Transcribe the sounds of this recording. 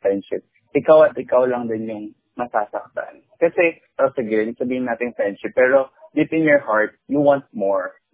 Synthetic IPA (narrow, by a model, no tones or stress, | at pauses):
fɹɛnd̪ʃɪp̚ | ʔɪkawʔɐt̪ʔɪkawlɐŋd̪ɪnjʊŋ | mɐsaːsɐk̚t̪a̰n | kɐsɛ | tɐsɛɡɛlisɐbiːhɪnaːt̪ɪŋfɹɛnd̪ʃɪpːɛːɾo̞bɪpɪnjɔɹhaɹt̪̚juwãnt̪̚moɹ